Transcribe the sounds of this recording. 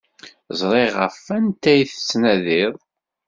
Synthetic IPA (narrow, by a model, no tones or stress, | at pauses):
zˤɾˤiʁəfænt̪æjθt͡sːnæðɪðˤ